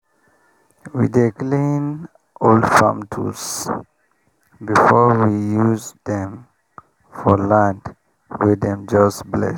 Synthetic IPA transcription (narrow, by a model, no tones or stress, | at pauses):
wḭdeklĩn | ʔoldfã̰mtʰṵs | bifɔɹwijuzd̪ɛ̃m | fɔlãnd | wɪdɛ̃md͡ʒʌsblɛ̰